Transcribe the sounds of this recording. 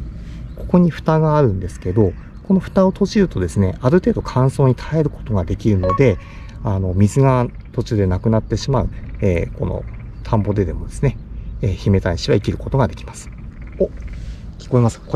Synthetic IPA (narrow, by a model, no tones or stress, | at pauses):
ko̞ko̞ɲ̟iɸɯ̟̥t̪aɡaːɾɯ̟̃nd̪e̞sɨ̥ke̞d̪o̞ | ko̞no̞ɸɯ̟̥t̪ao̞t̪o̞ʑiɾɯ̟t̪o̞d̪e̞sɨne̞aɾɯ̟t̪e̞ːd̪o̞kʰãɰ̃so̞ːɲ̟it̪ʰae̞ɾɯ̟kot̪o̞ɡad̪e̞kʲiɾɯ̟no̞d̪e̞ | ano̞mʲizɨɡa | t̪o̞t͡ɕɨːd̪e̞nakɯnat̪ːe̞ɕimaɯ̟eːko̞̰no̰ | t̪ʰãmbo̞d̪e̞d̪e̞mo̞d̪e̞sɨne̞eːçime̞t̪aɲ̟iɕiβaikʲiɾɯ̟ko̞t̪o̞ɡad̪e̞kʲi̥masɨ̥ | okʲi̥ko̞imasɨ̥ako